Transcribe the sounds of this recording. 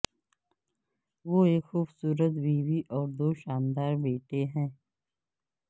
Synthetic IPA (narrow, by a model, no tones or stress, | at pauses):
ʋoːeːkxuːbsuːɾət̪biːʋiʔɔːɾd̪oːʃaːnd̪aːɾbeːʈeɦɛ̃ː